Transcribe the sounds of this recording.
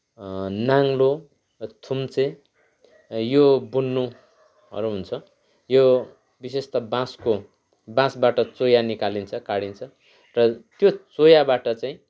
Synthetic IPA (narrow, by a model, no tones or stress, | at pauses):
naŋlo | t̪ʰumt͡se | jobunːu | ʌ̰ɾuɦunt͡sʰʌ | jo | bisest̪ʌbãsko | bãsbaʈʌt͡sojanikalint͡sʰʌkaɽint͡sʰʌ | rʌt̪jot͡sojabaʈʌt͡saĩ